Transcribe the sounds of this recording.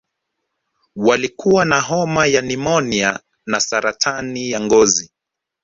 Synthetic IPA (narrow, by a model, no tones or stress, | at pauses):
walikuwanaɦɔmajanimɔnia | nasaɾatʰanijaŋɡɔzi